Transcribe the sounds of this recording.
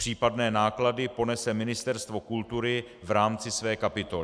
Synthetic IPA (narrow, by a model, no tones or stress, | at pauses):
r̝̥iːpadnɛːnaːkladɪpo̞nɛsɛmɪnɪst̪ɛɾst̪vo̞kult̪uɾɪvɾaːmt͡sɪsvɛːkapɪt̪o̞lɪ